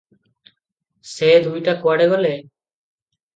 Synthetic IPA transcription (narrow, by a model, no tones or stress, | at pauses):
sed̪ujʈakwaɽɛɡɔle